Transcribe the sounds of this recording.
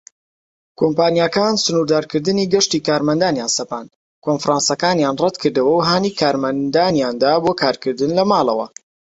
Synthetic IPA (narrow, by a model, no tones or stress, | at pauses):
kʰompaːnjaːkaːnsɨnuɾd̪aːɾkɨɾd̪ɨniːɡɐʃt̪iːkaːɾmɐnd̪aːnjaːnsɐpaːn | kʰonfɾʔaːnsɐkaːnjaːnrɛd̪kʰɨɾd̪ɐwɐwɦaːniːkʰaːɾmɐnd̪aːnjaːnd̪aːboːkʰaːɾkɨɾd̪ɨnlɐmaːlˠɐ̰wɐ̰